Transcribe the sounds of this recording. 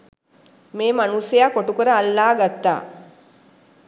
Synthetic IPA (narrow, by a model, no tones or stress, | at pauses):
meːmanusejakːoʈukuɾəalːaːɡat̪ːa̰ː